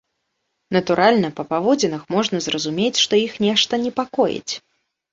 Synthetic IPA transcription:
nɐt̪uɾʔalʲnɐpɐpavɔd͡zʲɛnɐxmɔʐnɐzrɐzumʲet͡sʲʂt̪ɔixnʲɛʂt̪ɐnʲɛpakɔjḭt͡sʲ

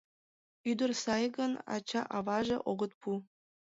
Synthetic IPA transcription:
yd̪ə̆rsɑjɡɤnɑ̰t͡ɕɑʔɑβɑʒĕʔoɣɤ̆t̪̚pʰu

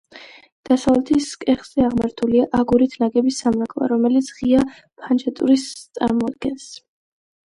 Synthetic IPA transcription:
d̪̥asavlɛt̪ʰiskʼɛχz̥ɛaʁmaɾt̪ʰuliaʔaɡuɾit̪ʰnaɡɛbisːamvɛkʼlˠa̰ɾɔmɛlit̪sʰʁia | pʰand͡ʒat̪ʼuɾist̪sʼa̰ɾmɔad̪̚ɡɛns

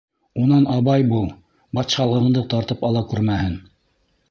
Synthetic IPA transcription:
unɑnɑβɑjbu | bɑt̪ʃɑlˠɤ̆ɤ̆ɴd̪ɤt̪ɑɾt̪ɤpɑlˠɑkʉɾmæhɘn

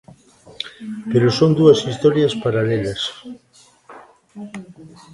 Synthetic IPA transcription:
peɾosoŋd̪uɐsist̪ɔɾjaspaɾaleʎas

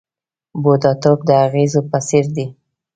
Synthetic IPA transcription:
bod̪ɑt̪ob̚d̪əaɣezopaseɾd̪i

